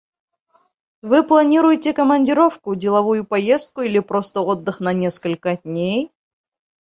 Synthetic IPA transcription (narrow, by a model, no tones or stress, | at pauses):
vɨplˠɐnʲiɾʊjɪtʲɪkəmənʲdʲɪɾo̞fkʊdʲɪlˠɐvujʊpɐjest̪̚kʊilʲɪpɾo̞st̪əod̪ːɨxnɐnʲe̞skəlʲkəd̚ʲnʲej